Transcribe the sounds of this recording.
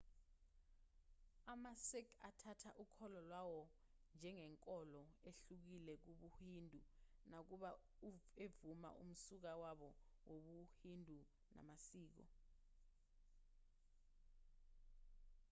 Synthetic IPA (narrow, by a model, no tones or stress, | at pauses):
amasɛkʰatʰatʰaʔukʰɔlɔlwawɔ | nd͡ʒʱɛŋɛŋkʼɔlɔeɬuk̬ilɛk̬uɓuhindʱunak̬uɓa | evuma̰ʔṵm̩suk̬awaɓɔwoɓuhindʱu | na̰masiːk̬ɔ̰